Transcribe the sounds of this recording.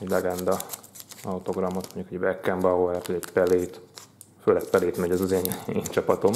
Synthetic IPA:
ɛɟlɛɡɛnd̪ɒ | ɒwt̪o̞ɡrɒmot̪moɲɟukhoɟbɛkːɛmbɒoɛrt̪oɟɛcpɛleːt̪ | føːlɛkpɛleːt̪mɛɟɛzɒzeːneːɲt͡ʃɒpɒt̪o̞m

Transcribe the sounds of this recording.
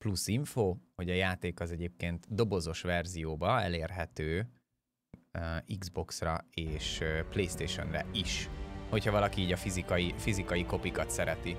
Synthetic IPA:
plusiɱfoːho̞ɟɒjaːt̪eːkɒzɛɟeːp̚keːnt̪d̪o̞bo̞zo̞ʃʋɛrzijoːbɒɛ̰leːrɦɛt̪øː | iɡzbo̞ksrɒeːʃplejst̪eːʃo̞̰nrɛ̰iʃho̞chɒvɒlɒkiiːɟɒfizikɒjifizikɒjiko̞pikɒt̪sɛɾɛt̪i

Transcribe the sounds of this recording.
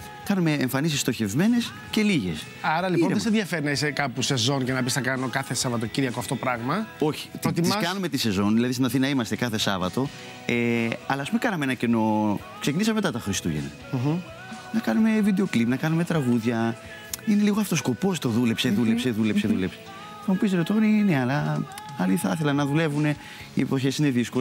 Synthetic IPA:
kɐnume̞ːɱfɐnisist̪oçe̞vme̞ne̞s | ce̞liʝe̞s | ɐɾɐlipponðesenðjʝɐfeɾinɐisekɐpuse̞zo̞ncenɐpisnɐkɐno̞kɐθesɐvɐt̪̬ociɾiʝɐkoɐft̪oopɾɐɣmɐo̞çi̥t̪ɾot̪imisɐkɐnume̞t̪ise̞zo̞nðilɐðist̪inɐθinɐimɐst̪e̞kɐθe̞sɐvɐt̪o̞ | eɐlɐspumekɐnɐmeenɐceno̞ | ksecinisɐmemt̪ɐt̪ɐxɾist̪uʝḛne | nɐkɐnume̞vid̪eo̞klipnɐkɐnume̞t̪ɾɐɣuðʝɐ | ine̞liɣoɐft̪osko̞po̞st̪o̞ðule̞pseðulepseðulepseðulepse̥ | nɐmupisenot̪oɾineɐlɐ | ɐliθɐθe̞lɐnɐðule̞vune̞ | ipoçe̞sine̞ðisko

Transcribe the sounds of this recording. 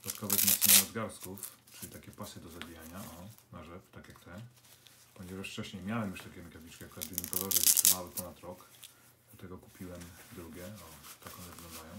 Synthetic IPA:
d̪ɔd̪at̪kɔvɛzmɔt̪sɲɛnɔzɡaɾskuf | t͡ʂɨlit̪akʲɛpasɘd̪ɔzabʲijaɲaʔɔnaʐɛft̪akjakt̪ɛ | pɔɲɛvaʂft͡ʂɛɕɲɛjmʲjawɛmjuʂt̪akʲɛmikavʲit͡ʂkɛkɔɾat̪vʲɛnʲikɔlɔʐɛit̪ʂɛvawɘpɔnat̪ɾɔk | d̪ɔt̪ɛɡɔku̥pʲiwɛmd̪ɾuɡʲjɛɔt̪akɔnɛvɘɡlɔ̃nd̪ajɔ̃w̃

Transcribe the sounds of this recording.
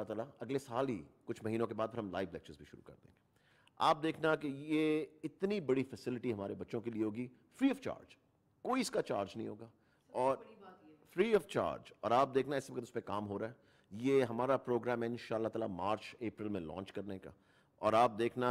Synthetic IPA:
at̪aːlaɐɡlesaːlḭkʊt͡ʃʰmɐɦiːnõkebaːd̪̚pʰɐɾɦɐ̃mlaːɪʋlɛk̚t͡ʃəɾzbʱiʃʊɾṵkɐ̰ɾd̪ḛ̃ːɡeː | a̰ːp̚d̪eːkʰnakejeɪt̪nibɐɽifɛsɪlɪʈiɦɐmaːɾebɐtːʃõkelieɦoːɡi | fɾiːɔːft͡ʃa̰ːɾd͡ʒ | koːiɪskat͡ʃaːɾd͡ʒnɐɦḭ̃ɦoːɡaː | ɔːɾfɾiːɔːft͡ʃa̰ːɾd͡ʒɔ̰ːɾaːp̚d̪eːkʰnaɪsʋɐkət̪ʊspẽkaːmɦoːɾaɛ | jeɦɐmaːɾapɾoːɡɾɛ̃ːmɛɪ̃nʃaːəlːaɦt̪aːlamaːɾt͡ʃeːpɾəlmẽlɔ̰̃ːnt͡ʃkɐɾneka̰ː | ɔːɾaːp̚d̪eːkʰna

